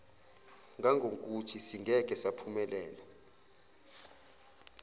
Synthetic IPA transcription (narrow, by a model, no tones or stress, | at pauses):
ŋɡʱaŋɡʱokʼutʰisiŋɡʱɛk̬ʼɛsapʰumɛlɛːla